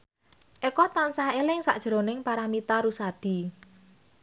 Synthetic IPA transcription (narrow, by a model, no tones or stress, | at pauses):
ʔekɔt̪ansahelɪŋsa̰ʔd̥ʒ̥ɾo̤nɪŋpaɾamit̪aɾusad̪̥i̤